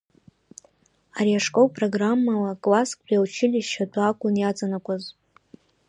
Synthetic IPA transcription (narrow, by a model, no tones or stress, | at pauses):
aɾiaʂkʼowpʼroɡramːalakʼlaskʰʼbᶣiaut͡ʃʰɪlʲɪʃʃadakʷʼʊnjat͡sʼanakʷʼaz